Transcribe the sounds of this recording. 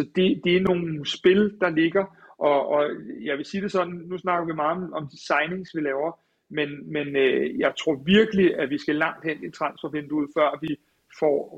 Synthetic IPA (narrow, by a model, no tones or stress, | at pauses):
sɒ̽d̥e̝d̥e̝æɐno̝ːn̩sb̥e̝ld̥ɑ̈le̝ɡ̥ɐ | ʔɒ̽ɒ̽jɑ̈ɪʋe̝siːd̥e̝sɒ̽nnːusnɑ̈ɡ̥ɐʋimɑ̈ːð̩ˠɒ̽mɒ̽md̥isɑ̈ɪne̝ŋsʋilɛːʊɐ | menmenøjɑ̈ɪt͡sʰʁo̝ɐ̰ʋiɐɡ̥əliʔæʋisɡ̥ælɑ̈ŋ̰d̥hen̰it͡sʰʁɑ̈nsfɒʋend̥uð̞̰ˠfɶɐ̰ʋi | fɒ̰